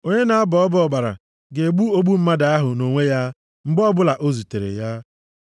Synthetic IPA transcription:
o˦ɲe˦na˨a˦bɔ˨ɔ˦bɔ˦ɔ˨ɡ͡ba˨ɾa̰˨ | ɡe˨ɡ͡bu˦o˦ɡ͡bu˦m̩˦ma˦da˨a˦ɦʊ˨no˨ŋʷe˦ja˦ | ŋ͡m̩˦ɡ͡bɔ˦bʊ˦la˨ʔo˦zu˨te˨ɾḛ˨ja˦

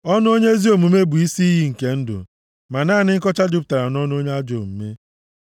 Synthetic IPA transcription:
ɔ˦n˦o˦ɲe˦zi˦o˨mu˨me˦bʊ˨i˦si˦i˦ɦi˦ŋ̩˨ke˨n̩˦dʊ̰˨ | ma˨naː˦˨nɪ˦ŋ̩˦kɔ˦t͡ʃa˦d͡ʒʊ˦pʊ̥˨ta˨ɾa˨nɔ˦n˦o˦ɲe˦a˦d͡ʒo˨m̩˨me˦

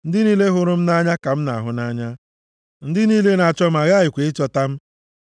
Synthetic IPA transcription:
n̩˦dɪ˦niː˦le˦ɦʊ˦ɾʊ˦m̩˦na˦ɲa˦ka˨m̩˦na̰˨a̰˨ɦʊ˦na˦ɲa˦ | n̩˦dɪ˦niː˦le˦na˨t͡ʃɔ˦m̩˦a˨ɣa˦˨ɪ˨kʷe˨ɪ˦t͡ʃɔ˦ta˦m̩˦

